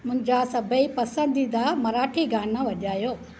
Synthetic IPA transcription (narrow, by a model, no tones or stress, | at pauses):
mʊ̃ɦɪ̃ɲd͡ʑasɐbʱəipɐsə̃nd̪ʱid̪amɐɾaːʈʰiɡʱaːnãʋɐʄaːjoː